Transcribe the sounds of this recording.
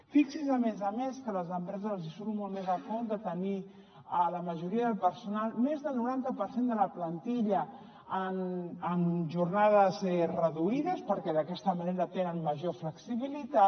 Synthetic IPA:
fiksizəmezəmeskələzəmpɾɛzəzzisonumolmezəkɔd̪ət̪əni | ələməʒuɾiəðəlˠpəɾsunalˠmezðəlˠnuɾant̪əpəɾsend̪ələplənt̪iʎə | ənənʒurnaðəzɛrəðuiðəspəɾkɛðəkɛst̪əməneɾət̪enənməʒofləksiβilit̪a

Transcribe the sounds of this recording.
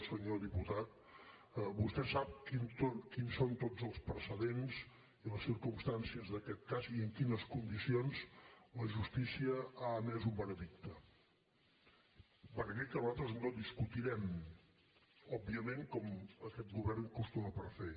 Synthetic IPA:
səɲoðiput̪at̪̚ | bust̪ɛsap̚kint̪okinsont̪od͡zəlˠspɾəsəðenz | iləsːiɾkumst̪ansiəzðəkɛt̪̚kaziəŋkinəskund̪isionzləʒust̪isiəaəmɛzumbənəðik̚t̪ə | bənəðik̚t̪ənzat̪ɾəznod̪iskut̪iɾɛm | ɔb̚ːiəmẽŋkɔməkɛt̪̚ɡuβɛɾnkust̪uməpəɾfe

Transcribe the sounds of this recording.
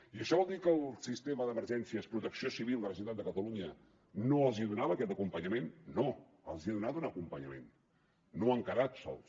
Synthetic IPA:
iəʃɔβɔlˠd̪ikəːlˠsist̪eməðəməɾʒɛnsiəspɾut̪əksiosiβilˠd̪ərəzit̪an̚d̪əkət̪əluɲə | noəlˠziəðunaβəkɛt̪əkumpəɲəmenːo | əlˠziəðunat̪unəkumpəɲəmḛnː | oəŋkəɾat̪sɔ̰lˠs

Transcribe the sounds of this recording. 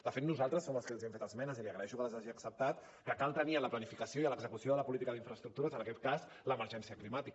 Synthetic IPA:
d̪əfet̪nuzalˠt̪ɾəsːoməlˠskəlziɛmɱfet̪əzmɛnəziliəɣɾəɛʃukələzaʒiəksəp̚t̪at̪ | pɾəkalˠt̪əniələplənifikəsioiələɡzəkusioðələpulit̪ikəðiɱfɾəst̪ɾuk̚t̪uɾəzənəkɛt̪̚kas | ləməɾʒɛnsiəklimat̪ik

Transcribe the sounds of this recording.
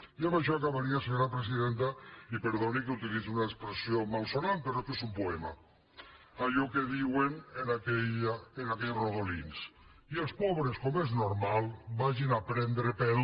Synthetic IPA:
iamaʃɔakaβaɾiaseɲoɾapɾesiðent̪aipeɾðonik̬eut̪ilid͡ziunaekspɾesijomalˠsonampeɾokesumpoɛma̰ | aʎɔkeðiwenenakɛʎaenakɛʎroðolḭns | ielˠspɔβɾeskomeznoɾmalˠbaʒinapɾɛnd̪ɾepɛɾ

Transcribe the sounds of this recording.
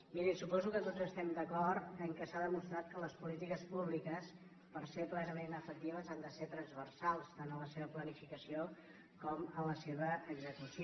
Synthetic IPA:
miɾisupɔzukət̪ozəst̪ɛmd̪əkɔɾt̪əŋkɛsaðəmust̪ɾat̪̚kələspulit̪ikəspuβlikəs | pəɾseplɛnəmenəfək̚t̪iβəzand̪əset̪ɾənzβərsalˠst̪anələseβəplənifikəsio | kɔmələseβəːɡzəkus

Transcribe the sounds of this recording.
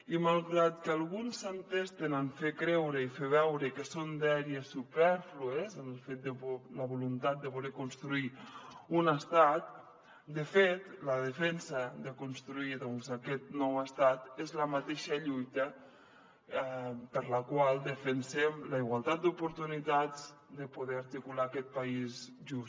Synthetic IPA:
imalˠɣɾat̪kalˠɣunsant̪est̪enaɱfekɾɛwɾəifeβ̞ɛwɾəkəsond̪ɛɾiəsːupɛɾfluezənəlˠfet̪̚d̪ələβulunt̪at̪̚d̪əβulekunst̪ɾuiunəst̪at̪̚ | d̪əfet̪ləð̞əfɛnsəðəkunst̪ɾuiðɔnzakɛt̪̚nɔwəst̪at̪ezləmat̪eʃəʎujt̪ə | pəɾləkwalˠd̪əfənsɛmləiɣwalˠt̪at̪̚d̪upuɾt̪unit̪ad͡z | d̪əpuðɛaɾt̪ikulaːkɛt̪̚paiz | ʒus

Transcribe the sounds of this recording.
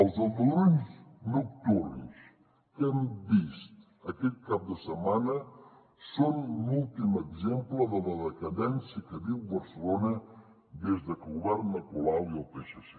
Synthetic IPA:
əlˠzəlˠd̪əlonznuk̚t̪uɾns | kəmbist̪ | əkɛt̪̚kap̚d̪əsəmanə | sonlulˠt̪iməɡzempləðələðəkəðɛnsiəkəβiwβəɾsəlonə | d̪ezðəkəɣuβɛɾnːəkulawiəlˠpeʃəsɛ

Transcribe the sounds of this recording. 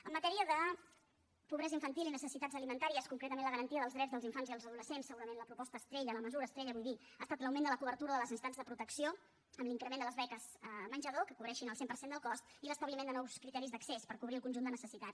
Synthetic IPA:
əmːət̪ɛɾiəðə | puβɾɛzəiɱfənt̪ilinəsəsit̪ad͡zəlimənt̪aɾiəskuŋkɾet̪əmẽnləɣəɾənt̪iəðəlˠzðɾɛzðəlˠiɱfanziðəlˠzəðuləsensəɣuɾəmenləpɾupɔst̪əːst̪ɾeʎələməzuɾəːst̪ɾɛʎəβujβi | a̰ːst̪at̪ləwmẽnd̪ələkuβəɾt̪uɾəðələzinst̪anzðəpɾut̪əksio | əmliŋkɾəmend̪ələzβɛkəzmənʲd͡ʒəðokəkuβɾɛʃinəlˠsempəɾsend̪əlˠkɔst̪iləst̪əβlimend̪ənɔwskɾit̪ɛɾizd̪əksespəɾkuβɾiəlˠkunʒund̪ənəsəsit̪at̪

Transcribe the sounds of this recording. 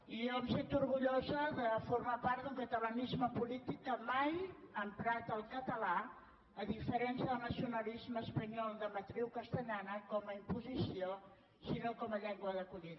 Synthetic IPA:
iɛmset̪uɾɣuʎozəðəfuɾmapaɾt̪d̪uŋkət̪ələnizməpulit̪ikːəmaj | ənt̪ɾat̪əlˠkət̪əla | əðifəɾɛnsjəðəlˠnəsiunəlizməːspəɲɔlˠd̪əmət̪ɾiwkəst̪əʎanəkɔməimpuzisio | sinokɔməʎɛŋɡwəðəkuʎin

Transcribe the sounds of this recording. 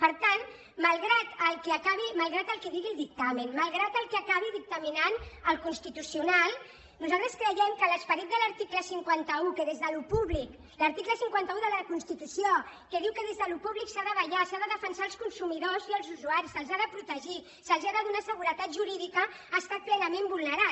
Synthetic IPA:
pəɾt̪an | malˠɣɾat̪əlˠkeakaβ̞imalˠɣɾat̪əlˠkeðiɣilˠd̪ik̚t̪amenmalˠɣɾat̪əlˠkeakaβ̞iðik̚t̪əminanəlˠkunst̪it̪usiunalˠ | nuzalt̪ɾəskɾəjɛmkələspəɾit̪̚d̪əlɐɾt̪ikləsiŋkwant̪əukəðezðəlupuβlik | ləɾt̪ikləsiŋkwant̪əuðəðəkunst̪it̪usjokəðiwkəðezðəlupuβliksaðəβɐʎasaðəðəfənsalˠskunsumiðoziəlˠzuzuaɾisəlˠzaðəpɾut̪əʒi | səlˠziaðəðunasəɣ̞uɾət̪at̪ʒuɾiðikəː | st̪at̪̚plɛnəmẽmbulnəɾat̪

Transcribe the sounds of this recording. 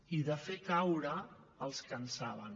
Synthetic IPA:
iðəfekawɾəːlˠskənsaβə̰n

